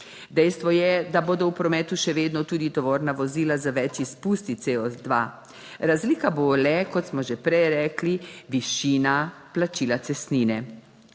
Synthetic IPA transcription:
d̪ɛjst̪ʋɔjɛd̪aboːd̪ɔwpɾɔmɛːt̪uʃɛʋeːd̪nɔt̪uːd̪it̪ɔʋoːɾnaʋɔziːlazaʋɛt͡ʃispuːst̪iseːɔd̪ʋa | ɾazliːkabolɛkɔt̪smɔʒɛpɾɛjɾɛːkliʋiʃiːnaplat͡ʃiːlasɛsniːnɛ

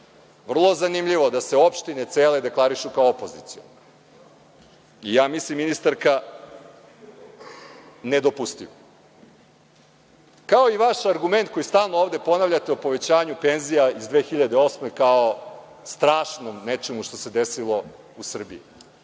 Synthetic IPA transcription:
ʋr̩lˠozanimʎiʋod̪aseo̞pʃt̪ine̞t̪seːled̪e̞klˠaɾiʃukaoopo̞zit̪sion | ijaːmislimːinist̪aɾka | ned̪o̞pust̪iʋo | kao̞iʋaʃaɾɡume̞nt̪̚ko̞jist̪aːlˠnooːvd̪e̞po̞naʋʎat̪eupo̞ʋe̞t͡ɕaːɲupe̞nzijaizd̪ʋeːxiʎad̪eo̞smekaost̪ɾaːʃnomnet͡ʃemuʃt̪o̞se̞d̪e̞silˠo̞ | usr̩bḭi

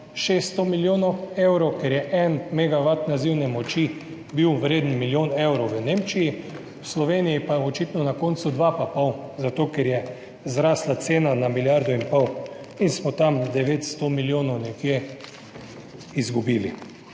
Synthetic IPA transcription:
ʃest̪ːt̪omiljoːnoewɾokɛɾjɛʔɛnmɛɡaʋat̪naziwnɛmɔt͡ʃi | biwʋɾeːd̪ən̩miljoːnewɾɔwʋəneːmt͡ʃiji | wslɔʋeːnijipaɔt͡ʃit̪nɔnakont̪sud̪ʋapapawzat̪oːkɛɾjɛ | zɾaːslat̪seːnanamiljaɾd̪ɔinpɔw | insmɔt̪amd̪ɛʋeːt̪st̪omiljoːnɔwnɛkje | izɡubiːli

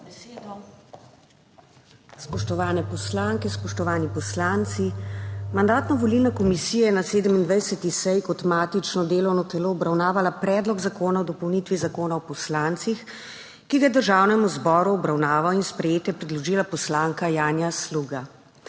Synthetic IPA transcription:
d̪ | spɔʃt̪ɔʋaːnɛpɔslaŋkɛspɔʃt̪ɔʋaːnipɔslant̪simand̪aːt̪nɔʋɔlilnakɔmisiːjɛjɛnaseːd̪əmind̪ʋajsɛt̪isɛjkɔt̪maːt̪it͡ʃnɔd̪eːlɔwnɔt̪ɛloːɔbɾawnaːʋalapɾɛːd̪lɔɡzakoːnaɔd̪ɔpɔwnit̪ʋizakoːnaɔpɔslaːnt̪six | kiɡajɛd̪əɾʒaːwnɛmuzbɔːɾuɔbɾawnaːʋawinspɾɛjeːt̪jɛpɾɛd̪lɔʒiːlapɔslaːŋkajaːnjasluːɡa

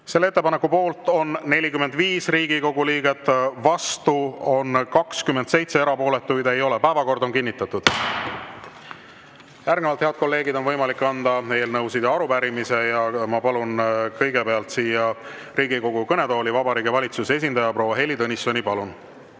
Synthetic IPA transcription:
se̞lːeet̪ːepɑnekːˑupo̞ːlt̪ˑo̞nːe̞lʲikyme̞nd̪viːsriːɡ̥iko̞ɡ̥uliːɡ̥e̞t̪ːvɑst̪uo̞nkɑkskymːend̪se̞jt̪se̞eɾɑpo̞ːlet̪ːˑujd̪e̞jo̞lɛpæevɑko̞rd̪o̞nkinʲːit̪ːˑɑt̪ːˑud̪̥ | jærɡ̥nevɑlt̪he̞ɑd̪̥̚ko̞lːe̞ːɡid̪o̞nvɤjmɑlikːɑnd̪̥ɑeːlnɤwsid̪ɑɑɾupæɾimise̞jɑmɑpɑlunkɤjɡepe̞ɑlt̪siːjɑ | riːɡiko̞ɡ̥ukɤned̪o̞ːlivɑbɑɾiːɡivɑlʲit̪susee̞s̬ind̪̥ɑjɑpro̞ːwːɑɦe̞lʲid̪onisːo̞nʲipɑlun

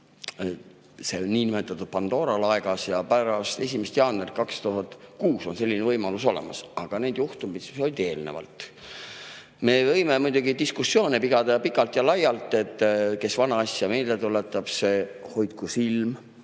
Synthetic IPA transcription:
se̞onniːnimet̪ːˑɑt̪ːˑud̪̥̚pɑnd̪̥o̞ːɾɑlɑeɡ̥ɑsjɑpæɾɑst̪e̞sʲimest̪jɑːnerkɑkst̪uɦɑt̪kuːso̞nse̞lːinevɤjmɑluso̞lḛmɑ̰sɑɡ̥ɑne̞d̪̥juht̪umit̪solʲd̪e̞ːlnḛvɑ̰lt̪ˑ | me̞vɤ̞jme̞mujd̪uɡ̥it̪iskusːo̞ːnipiɡɑd̪̥ɑpikːˑɑlt̪jɑlɑjɑlt̪ːˑe̞t̪ːke̞svɑnɑɑsjɑmeːlet̪ule̞t̪ːˑɑb̥se̞ | ho̞jt̪̚kusilm

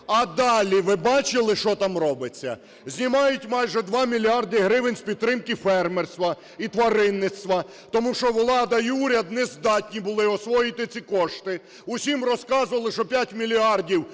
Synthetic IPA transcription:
ɐd̪ɑlʲiʋɪbɑt͡ʃɪlˠɪʃt͡ʃɔt̪ɑmrɔbɪt͡sʲːɐ̰ | zʲnʲimɑjʊtʲmɑjʒɛd̪ʋɑmʲilʲiɑrd̪ɪɦɾɪʋɪnʲspʲid̪̚t̪ːɾɪmkɪfɛrmerst̪ʋɐ | it̪ʋɐɾɪnːɪt̪st̪ʋɐ | t̪ɔmuʃt͡ʃɔwlˠɑd̪ɐiuɾʲɐd̪nɛzd̪ɑtʲnʲibʊlˠɪɔsʋɔjɪt̪ɪt͡sʲikɔʃt̪ɪ | ʊsʲimrɔskɑzʊʋɐlˠɪʃɔpʲjatʲmʲilʲiɑrdʲiw

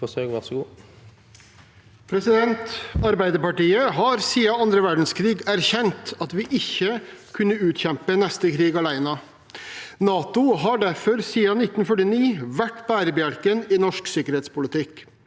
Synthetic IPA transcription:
fɔsøːɡʋɑsɡuː | pʰɾɛsɪd̪ɛnt̪ɑɾbæɪd̪əɾpɑʈiːəɦɑɾsiːɑɑnd̪ɾəʋæɖɳ̩skʰɾiːɡæɾçɛnt̪ɑt̪ʋɪʔɪçːəkʰʉnːəʉːt̪çɛmpənɛst̪əkʰɾiːɡɑlæɪnɑ | nɑːt̪ʊɦɑɖæɾfɔɾsiːɑnɪt̪ːnfœʈɪniːʋæʈbæːɾəbjælkənɪnɔʂksɪkəɾheːt̪spʊlət̪ʰɪk

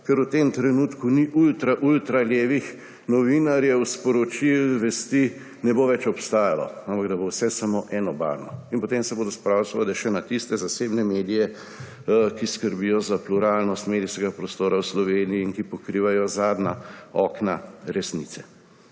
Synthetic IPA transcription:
kɛɾut̪emt̪ɾɛnuːt̪kuniʔult̪ɾaʔult̪ɾaljeːʋix | nɔʋinaɾjɛwspɔɾɔt͡ʃilʋɛst̪i | nɛboʋɛt͡ʃɔpst̪aːjalɔ̰ampaɡd̪ɐbowsɛsamoːʔɛːnɔba̰ɾnɔinpɔt̪emsɛboːd̪ɔspɾawsʋalɛʃɛnat̪ist̪ɛzasebnɛmeːd̪ijɛ | kiskəɾbijɔzapluɾaːlnɔst̪meːd̪iskɛɡapɾɔst̪oːɾawslɔʋeːnijiːŋkipɔkɾiːʋajɔzaːd̪naɔkna̰ɾɛsnḭsɛ

